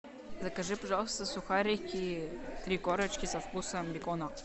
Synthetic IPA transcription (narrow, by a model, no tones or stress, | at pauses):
zɐkɐʐɨpɐʐɑlˠst̪əsuxɑɾʲikʲit̪ɾʲikoɾət͡ɕkʲisɐfkusɐmbʲikona